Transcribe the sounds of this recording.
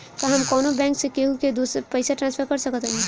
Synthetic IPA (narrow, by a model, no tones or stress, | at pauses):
t̪ɔɦəmkɔːnobɛ̃ŋksẽkeɦuked̪ospəɪsaʈɾãnspʰəɾkəɾsəkət̪ɦəli